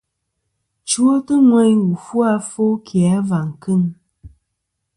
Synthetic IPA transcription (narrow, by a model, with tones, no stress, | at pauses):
t͡ʃwo˦tɨ˦ŋwɛ˦ɲwu˨fu˦a˦fo˦kʰja˨˦va˨ŋ˨kɨ˦˨n